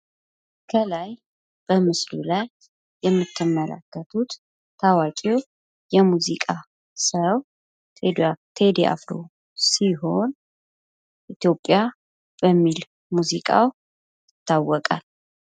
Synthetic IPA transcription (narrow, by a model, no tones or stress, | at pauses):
kʰəlaj | b̥əmɨslṵlajː | ɛmːɨt̪ʰːɨmːəla̰kːət̪ʰut̪ | t̪ʰawakʼew | jɛmuzikʼa | səw | t̪ʰed̪ea̰fɾo̰ | siɦo̞n | ʔit̪jo̞pʼːja | b̥əmːil | muzikʼa̰w | jɪt̪ːawːɔkʼal